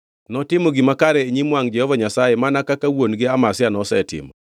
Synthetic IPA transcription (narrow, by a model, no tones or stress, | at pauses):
nɔtɪmoɡimakaɾɛːɲimwaŋd͡ʒɛhɔvaɲasajemanakakawonɡɪamasɪanɔsɛtɪ̰mɔ̰